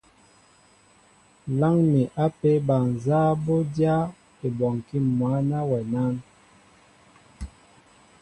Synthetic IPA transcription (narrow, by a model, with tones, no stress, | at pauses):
la˦ŋmi˨ʔa˦pe˦ba˨n˨za˦bo˦dja˦ | e˨bɔ˨ŋ˨ki˦˨mwa˨˦na˦wɛ˨na˦n